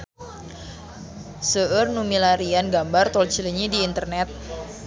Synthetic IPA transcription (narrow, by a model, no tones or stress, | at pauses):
səʔərnumilaɾianɡambart̪ɔlt͡ʃiliɲidiːnt̪ərnɛt̪̚